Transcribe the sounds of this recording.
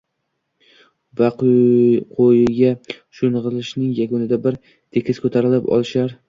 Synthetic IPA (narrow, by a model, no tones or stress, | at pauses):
vaqqʰojɪɡʲaʃʊnʁɨlɪʃnɪŋjaɡonɪd̪abɪɾ | t̪ʰekʲʰɪskʰɵt̪ʰaɾɪlɪpɒ̰lˠɪʃaɾ